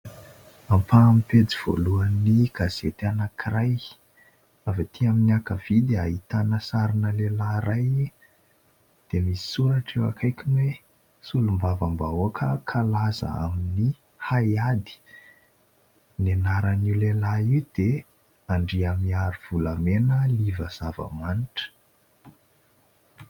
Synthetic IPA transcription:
ampamiped͡ziv̥o̰luaniɡ̥az̥et̪anakʰiɾaj | avat̪ʰiaminiakavid̪iaɦit̪anəsaɾinəlelaɾaji | d̪̥emisi̥suɾaʈ͡ʂewa̰kʰajkʲinwe | sulumbavambauakʰəkʰalazə̰a̰mini | hajad̪i̥ | nenaɾaniwlelaid̪̥e | aɳɖ͡ʐiamiaɾiv̥ulamenəlivəz̥avə̰maniʈ͡ʂə̥

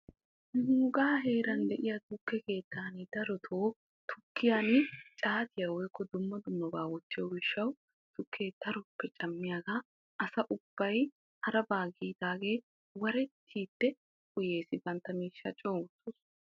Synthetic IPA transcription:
nhuːɡaːɦe̞ːɾɐnd̪ɛʔɪjad̪ʊkːɛke̞ːt̪ʰːaːnid̪̥ɐɾɔt̪ʰoː | t̪ʰʊkːɪjaːnɪt͡ʃʼaːt̪ɪjɐwɔjkːɔd̪ʊmːɐd̪ʊmːɐbaːwɔt͡ʃːɪjɐwɪʃːɐw | d̪̥ʊkʰːeːd̪̥ɐɾɔpːɛt͡ʃʼɐmːɪjaːɡaː | ʔɐsɐʔʊb̥ːɐj | hɐɾɐbaːɡiːd̪aːɡe̞ː | wɐɾɛt̪ʰːiːt̪ːɛ | kʊjeːsɪbɐnt̪ːɐmiːʃːɐ̰t͡ʃʼoːʊtːoːs

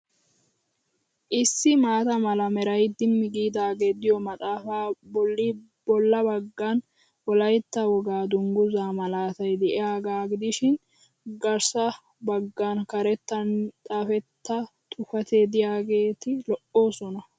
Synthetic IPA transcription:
ʔɪsːɪmaːt̪ɐmɐlɐmɛɾɐjd̪ɪmːɪɡiːd̪aːɡe̞ːd̪ɪjɔmɐt̪ʼaːfaːbɔlːi | bɔlːɐbɐɡːaːn | wɔlɐjt̪ːɐwɔɡaːd̪ʊŋɡʊzaːmɐlaːt̪ɐjd̪ɛʔɛjaːɡaːɡɪd̪ɪʃɪn | ɡɐɾsɐ | bɐɡːaːnkɐɾɛt̪ːɐnt̪ʼaːfɛt̪ːɐ | t̪ʰʊfɐt̪eːd̪ɪjaːɡe̞ːt̪ɪlɔʔo̞ːsɔnɐ

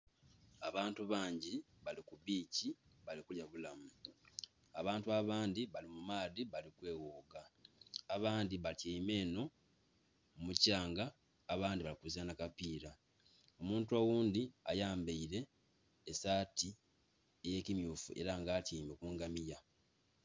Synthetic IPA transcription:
aβaːntuβaːɲɟi | βalikuβiːciβalikuljaβulamu | aβaːntuaβaːndiβalimumaːðiβalikwe̞ːwoːɡaː | βaːndiβatiːme̞ːno̞ | mucaːŋɡaː | βaːndiβalikuzianakapiːɾa | o̞muːntuawuːndiajaːmbeiɾe̞ː | saːti | eje̞cimjuːfṵʔe̞̰ɾaŋɡaːtiːmekuŋɡamija

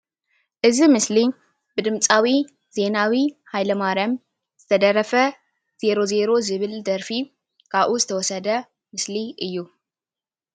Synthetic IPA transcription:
ʔɨzimɨsli | bɨd̪ɨmt͡sʼawi | z̥e̞nawihajlɐmaɾɐm | z̥ɨt̪ʰɐd̪ɐrːɐfɐ | z̥e̞ɾo̞ze̞ɾo̞zɨβɨld̪ɐɾfi | kʰaβʔuzɨt̪ʰɐwɔsɐd̪ɐ | mɨsliɨjːu

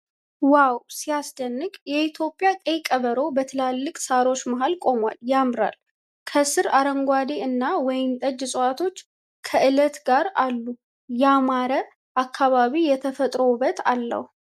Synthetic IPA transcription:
wawsijasd̪ənːɨkʼjɛit̪ʰjo̞pʼːjakʼejkʼəβəɾo̞bət̪ʰɨlalːɨkʼsaɾo̞t͡ʃːmaɦalkʼo̞mwa̰ljamɾa̰l | kʰəsɨɾaɾəŋɡʷad̪eɨnːawɔjɪmt̪ʼəd͡ʒɨsʼoat̪ʰo̞t͡ʃː | kʰəɨlət̪ɡaɾalːu | jamaɾə | ʔakʰːaβaβijɛt̪ʰəfət̪ʼɾo̞bət̪ʰa̰lːə̰hu

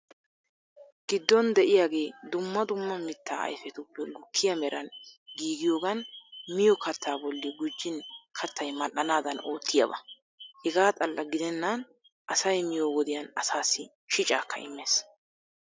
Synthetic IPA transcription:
ɡ̥ɪd̪ːɔnd̪ɛʔɪjaːɡeːd̪ʊmːɐd̪ʊmːɐmɪt̪ːa̰ːɐ̰jfɛt̪ʊpːɛɡʊkʰːɪjɐmɛɾɐnɡiːɡɪjo̞ːɡɐnmɪjɔkɐt̪ʰːaːbɔlːɪɡʊd͡ʒːɪnkʰɐt̪ːɐjmɐʔɐnaːd̪ɐno̞ːt̪ʰːɪjɐ̰bɐ̰ | hɛɡaːt̪ʼɐlːɐɡɪd̪ɛnːɐn | ʔɐsɐjmɪjoːwɔd̪ɪjɐnɐsaːsːɪ | ʃɪt͡ʃʼaːkːɐ̰ɪ̰mːeːs

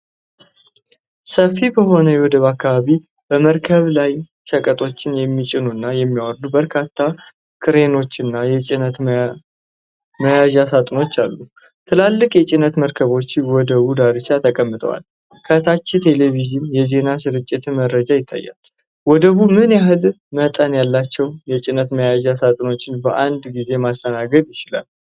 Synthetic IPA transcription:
səfːibəho̞nəjɛwd̪əβakːaβaβi | bəməɾkʰəβlaj | səkʼət̪ʼo̞t͡ʃːɪnjɛmːit͡ʃʼɪnunːajɛmːiwaɾd̪ubəɾkʰat̪ʰːa | kʰɨɾe̞no̞t͡ʃːɨnːajɛt͡ʃʼɪnət̪ | məjaʒasat̪ʼno̞t͡ʃːalːu | t̪ʰɨlalːɨkʼjɛt͡ʃʼɪnət̪məɾkʰəβo̞t͡ʃːwɔd̪əβud̪aɾɨt͡ʃːat̪ʰəkʼəmːɨt̪ʼʰə̰wa̰l | kʰət̪ʰat͡ʃːit̪ʰe̞le̞vizinjɛze̞nasɨɾɨt͡ʃʼːɪt̪məɾːəd͡ʒajɪt̪ʰːa̰jːa̰l | wɔd̪əβumɨnjaɦɨl | mət̪ʼənjalːat͡ʃːɛwjɛt͡ʃʼɪnət̪məjaʒasat̪ʼɨno̞t͡ʃːɪnbəʔand̪ɡize̞mast̪ʰənaɡəd̪jɪt͡ʃɪla̰l

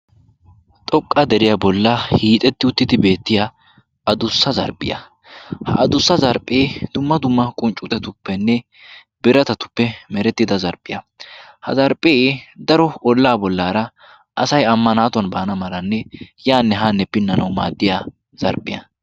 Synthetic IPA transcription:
t̪ʼɔkʼːɐd̪ɛɾɪjabɔlːɐhiːt̪ʼɛt̪ːɪʊt̪ːɪt̪ɪbe̞ːt̪ːɪja | ɐd̪ʊsːɐzɐ̰ɾpʼːɪ̰jɐ̰ | hɐ̰ʔɐd̪ʊsːɐzɐɾpʼːeːd̪̥ʊmːɐd̪ʊmːɐkʼʊnt͡ʃʼʊt̪ɛt̪ʊpːɛnːɛ | bɪɾɐt̪ɐt̪ʊ̥pːɛmɛɾɛt̪ːɪd̪ɐzɐɾpʼːɪjɐ | hɐ̰zɐɾpʼːeːd̪ɐɾɔɔlːaːbɔlːaːɾɐ | ʔɐsɐjɐmːɐnaːt̪ɔnbaːnɐmɐlɐnːɛjaːnːɛɦaːnːɛpɪnːɐnɐwma̰ːd̪ːɪjaː | z̥ɐɾpʼɪjɐ

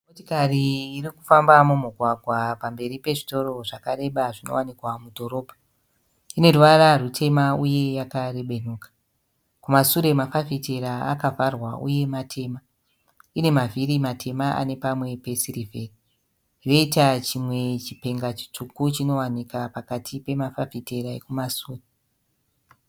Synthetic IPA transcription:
motikariːrikufambamumuɡʱwaɡʱwapambe̞ɾipe̞ʐito̞ɾo̞ʐakaɾe̞ɓaʐino̞̰wanikwamudʱo̞ɾo̞ːpḁ | ine̞ruʋaɾarutʰe̞mauje̞jakare̞ɓe̞nuːkḁ | kumasuɾe̞mafafete̞ɾaa̰kavarwaṵje̞matʰe̞ːma | ine̞maviɾimatʰe̞maʔa̰ne̞pamwe̞pe̞sirivʱe̞ri | ino̞itat͡ʃimwe̞t͡ʃipe̞ŋɡat͡ʃi̥t͡ʂukut͡ʃino̞wanikapakatʰipe̞mafafitʰe̞ɾaḛkumasuːre

